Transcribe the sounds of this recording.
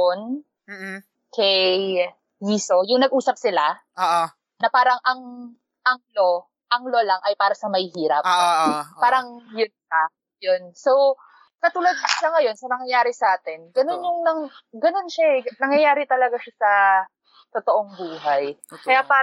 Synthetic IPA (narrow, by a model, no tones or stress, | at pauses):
on | kɛj | jiːso̞jʊŋnɐɡ̚ʔuːsɐp̚sɪla | oʔ | nɐpaːɾɐŋʔɐŋ | ʔɐŋlo̞ | ʔɐŋlolɐŋʔɐjpaːɾɐsɐmɐhiːɾɐp | paːɾɐŋjʊnʃa | jonsow | kɐt̪uːlɐd̪̚sɐŋɐjo̞nsɐnɐŋjɐjaːɾɪsɐʔaːt̪ɛnɡɐno̞njʊŋnɐŋɡɐno̞nʃaɛnɐŋjɐjaːɾɪt̪ɐlɐɡaʃasɐ | t̪ot̪oʔoŋbuːɦɐjkɐjapaː